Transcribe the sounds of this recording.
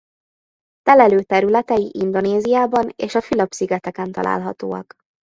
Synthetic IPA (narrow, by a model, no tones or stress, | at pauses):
t̪ɛlɛløːt̪ɛɾylɛt̪ɛjiʔind̪o̞neːzijaːbɒnḛːʃɒfilɒpsyɡɛt̪ɛkɛnt̪ɒ̰lʔa̰ːlɦɒt̪o̰ːɒ̰k